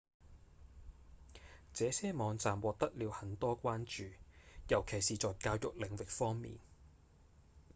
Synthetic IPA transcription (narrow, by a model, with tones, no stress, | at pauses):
t͡sɛː˨˧sɛː˥mɔː˨˧ŋt͡saː˨mwɔː˨k̚t̪ɐ˥k̚liː˨˧whɐ˨˥nt̪ɔː˥kʷaː˥nt͡ʃyː˨jɐ˨˩wkʰe˨˩jsiː˨t͡sɔː˨jkaː˧wjʊ˨k̚lɪ˨˩ŋwɪ˨k̚fɔː˥ŋmḭː˨˩n